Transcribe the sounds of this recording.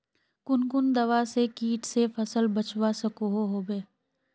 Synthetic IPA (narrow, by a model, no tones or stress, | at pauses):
kʊnkʊnd̪ɐʋasekiːʈsefʰɐsəlbət͡ʃwasəkoɦoɦoːbeː